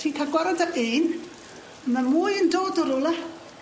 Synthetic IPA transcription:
tʰiːkʰaɡwɛɾɔdaʔeːn | mamuːjəndoːdɔɾʊlˠa

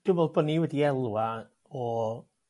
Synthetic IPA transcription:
d̥ʊvɛlˠbɔniwɛdiɛlˠwa | ɔ

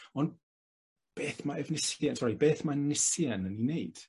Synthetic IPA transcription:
ɔn | b̥eːθmaɛvnɪsjɛnsɔɾibeːθmanɪsjɛnənineɨd̥

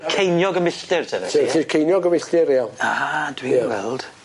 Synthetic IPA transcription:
kʰejnjɔɡəmɪɬtɪrtʰənəsɪɬikʰejnjɔɡəmɪɬtɪɾialˠad̥wijawɛ̰lˠd̥

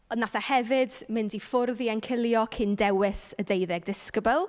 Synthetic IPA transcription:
ɔnːaθahɛvɪdmɪndifʊrðiɛnkʰɪlˠjɔkʰɪndɛwɪsədejðɛɡ̚dɪskəbəlˠ

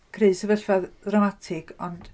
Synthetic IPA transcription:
kʰreɨsəvɛɬvaðdramatʰɪɡɔnd̥

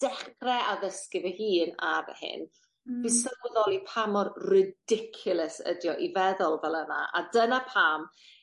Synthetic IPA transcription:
d̥ɛχrɛʔaðəskɪvəhiːna̰vɛ̰hɪ̰n | b̥isərwɛðɔlˠipʰamɔrrɪdɪkʰjʊlˠəsə̰djɔʔivɛðʊlˠvɛlˠəna̰ʔa̰dənapʰam

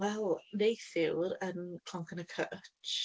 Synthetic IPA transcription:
wɛlˠnejθɪwɾənkʰl̥ɔŋkənəkʰət͡ʃ

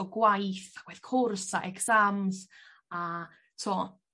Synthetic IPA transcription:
ɔɡwajθaɡ̥wɛθkʰʊrsaʔɛksamz | a | tʰɔ

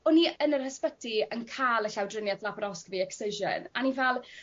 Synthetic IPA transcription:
ɔniənərhəspədiənkʰaːlˠəɬawdrɪnjaθlˠapɾɔskviɛksɪʒə̰nanivɛlˠ

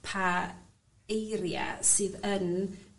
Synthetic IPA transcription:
pʰa | ejɾja̰sɨːðən

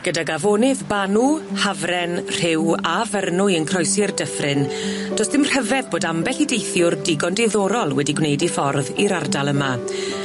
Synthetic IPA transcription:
ɡ̥ədaɡavoːnɨðbanuhavrɛnr̥ɪwavɛrnʊjənkʰrɔjsirdəfrɪnd̥ɔsðɪmr̥ɛvɛðboːdambɛɬidejθjʊrdɪɡɔndɪðɔːɾɔlˠwɛdiɡwnejdifɔrðiɾardalˠəma

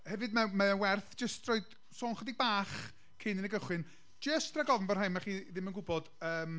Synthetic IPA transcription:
hɛvɨdmamaəwɛrθd͡ʒəstrɔɨd̥ | sɔːnχwədibaːχ | kʰɪnɪnəɡəχwɪn | d͡ʒəstʰraɡɔvn̩vər̥hamaχiːðɪmənɡʊbɔd̥əːm

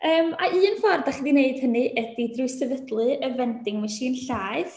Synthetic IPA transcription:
əːmaʔɨːənfɔrdaχədineɨd̥hənɨʔədidrujsɛvədlˠɨəvɛndɪŋmaʃiːnɬaːɨθ

